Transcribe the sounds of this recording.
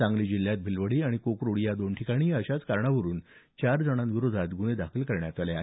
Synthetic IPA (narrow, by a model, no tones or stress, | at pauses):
ãŋɡliːd͡ʑilːjat̪̚bʱilʋəɽiːaɽ̃ikokɾoɽijad̪onʈʰikaɽ̃iːəɕat͡skaɾɳaʋəɾuːnt͡ɕaɾd͡zəɽ̃ãnɡiɾod͡zʱat̪ɡuɽ̃ed̪akʰəlkəɾɳjat̪alea